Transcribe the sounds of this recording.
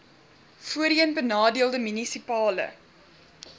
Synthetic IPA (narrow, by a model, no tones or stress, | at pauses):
fuəɾiənbənɑːdiəlˠdəmynisipɑːlə̰